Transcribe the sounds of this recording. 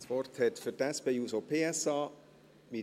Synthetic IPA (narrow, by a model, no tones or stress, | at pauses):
svɔrthɛtfytɛspeːuːsopʰeːɛsɑː | mi